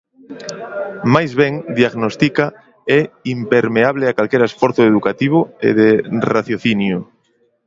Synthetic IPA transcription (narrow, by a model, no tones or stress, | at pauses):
majzβɛŋd̪iaɣnost̪ika | ɛimpeɾmeaβleakalkɛɾaesfɔɾθʊeðukat̪iβ̞ʊḛðeraθjoθinjʊ